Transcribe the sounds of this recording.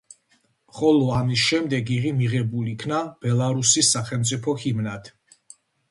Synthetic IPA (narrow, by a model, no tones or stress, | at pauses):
χɔlˠɔamisʃɛmd̪ɛɡiʁimiʁɛbulikʰnab̥ɛlˠaɾusisːaχɛlˠmt̪sʼipʰɔhimnat̪ʰ